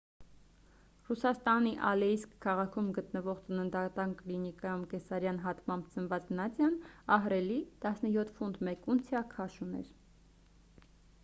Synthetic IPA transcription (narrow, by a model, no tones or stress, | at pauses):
rusɑst̪ɑniʔɑlɛiskkʰːɑʁɑkʰumɡət̪nəvɔʁt͡sənənd̪ɑt̪ɑnklinikɑjumkɛsɑɾjɑnɦɑt̪mɑmbd͡zənvɑt͡snɑt͡sjɑnɑɦɾɛlit̪ɑsnəjɔt̪ʰfund̪mɛkunt͡sʰjɑkʰɑʃunɛ̰ɾ